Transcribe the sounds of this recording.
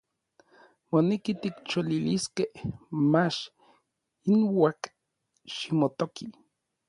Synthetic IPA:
monːekit̪ikt͡ʃoliliskehmat͡ʃ | inwak | ʃimot̪oki

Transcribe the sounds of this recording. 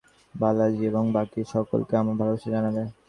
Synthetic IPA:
balad͡ʑieboŋbakiʃɔko̰lkeamabʱaloʃed͡ʑanabe

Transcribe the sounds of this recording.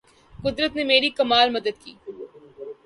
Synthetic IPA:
kʊd̪ɾət̪nemeːɾikɐmaːlmɐd̪əd̪̚kḭː

